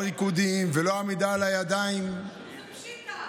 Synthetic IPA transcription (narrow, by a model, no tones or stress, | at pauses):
ʁikud̪imvelo̞amid̪alajad̪aim